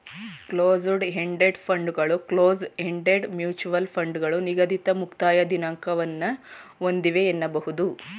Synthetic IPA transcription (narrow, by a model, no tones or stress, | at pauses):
kloːzuɖɦeɳɖeɖpʰɐɳɖɡɐɭukloːzɦeɳɖeɖmjuːt͡ʃuʋɐlpʰɐɳɖɡɐɭuniɡɐd̪it̪ɐmukt̪aːjɐd̪inɐŋkɐʋɐnːɐond̪iʋeːnːɐbɐɦud̪u